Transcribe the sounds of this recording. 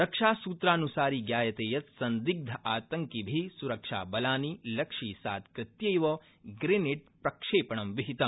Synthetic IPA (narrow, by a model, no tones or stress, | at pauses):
ɾɐkʂaːsuːt̪ɾaːnusaːɾiːɡjaːjɐt̪eːjɐt̪sɐnd̪iɡ̚d̪ʱɐʔaːt̪ɐŋkibʱisuɾɐkʂa̰ːbɐlaːnilɐkʂiːsa̰ːt̪kɾɪt̪jɐjʋɐ | ɡɾeniʈ̚pɾɐkʂeːpɐɳɐmʋiɦit̪ɐm